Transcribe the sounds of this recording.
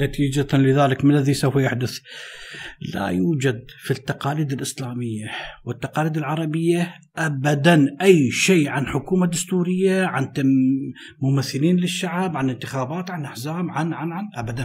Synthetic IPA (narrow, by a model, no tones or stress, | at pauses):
lat̪iːd͡ʒat̪anlɪðaːlɪkmɪnlːaðisawfjaħd̪ʊθ | la̰juːd͡ʒad̪fit̪ːɑqɑːliːd̪ɪlʔɪslaːmɪjːawɪt̪ːɑqɑːliːd̪ɪlʕɑɾˤɑbɪjːa | ʔabad̪anʔajːʃeːʕanħʊkuːmad̪ʊst̪uːɾɪjːaʕant̪ | mʊmaθːɪliːnlɪʃːaʕbʕanɪnt̪ɪxaːbaːt̪ʕanʔaħzaːmʕanʕanʕanʔabad̪an